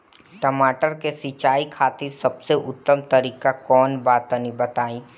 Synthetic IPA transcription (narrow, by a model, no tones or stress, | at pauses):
ʈəmaːʈəɾkesit͡ʃaːikʰaːt̪isɐbseʔʊt̪ːəmt̪ɐɾiːkakɔːnbaːt̪ənibɐt̪aːĩː